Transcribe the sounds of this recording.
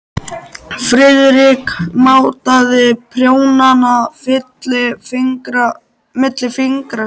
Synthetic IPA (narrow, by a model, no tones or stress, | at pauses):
fɾɪðɾɪkmaːwt̪aðɪpʰɾjoːwnanafɪt̪lɪŋkɾ | mɪt̪lɪfɪŋkɾa